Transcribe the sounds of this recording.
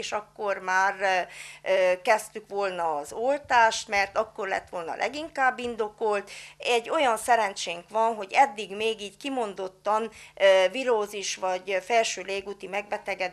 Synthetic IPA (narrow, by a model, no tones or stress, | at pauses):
ʃɒkːormaːr | kɛst̪ykʋo̞lnɒːzolt̪aːʃt̪mɛrt̪ɒkːo̞rlɛ̰t̪ːʋolnɒ̰lʔɛ̰ɡiŋkaːbːind̪o̞kolt̪ɛɟːo̞jɒnsɛɾɛnt͡ʃeːŋkʋɒnɦo̞ɟɛd̪ːiɡmeːɡiːckimo̞nd̪o̞t̪ːɒnviɾoːziʃʋɒɟfɛlʃøːleːɡuːt̪imɛɡ̚bɛt̪ɛɡɛd̪